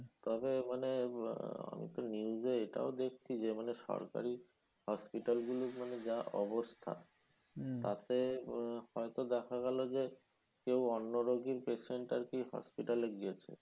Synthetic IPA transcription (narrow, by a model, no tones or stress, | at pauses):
t̪ɔbemane | a̰mḭt̪oniuzeeʈa̰od̪ek̚ʰt͡ɕʰid͡ʑemaneʃɔ̰ɾka̰ɾi | hɔspiʈalɡulukmaned͡ʑaɔbost̪ʰa̰ | t̪at̪ehɔet̪od̪ɛkʰaɡɛlod͡ʑe | kewɔnːoɾoɡiɾpeʃeɳʈaɾkiɦɔ̰spiʈaleɡiet͡ɕʰḛ